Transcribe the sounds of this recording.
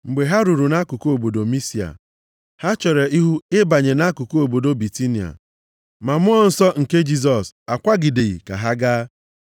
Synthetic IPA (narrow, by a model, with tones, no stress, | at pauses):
m̩˨ɡ͡be˨ɦa˦ɾu˨ɾu˨na˦ku˨ko˦o˨bo˨do˨mi˦si˨a̰˨ | ha˦t͡ʃɔ˨ɾe˨i˦ɦu˦ɪ˦ba˨ɲe˨na˦ku˨ko˦o˨bo˨do˦bi˨ti˦ni˨a̰˨ | ma˨mʊ˦ɔ˦n̩˦sɔ˦ŋ̩˨ke˦d͡ʒi˦s̬ɔ˨sa˨kʷa˦ɡɪ˨de˨ɣḭ˨ka̰˨ɦa˦ɡaː˦